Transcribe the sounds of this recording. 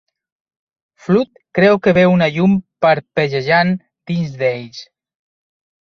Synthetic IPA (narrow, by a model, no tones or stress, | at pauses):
flut̪̚kɾɛwkəβeunaʎumpəɾpəʒəʒan | d̪̥inzd̪ejs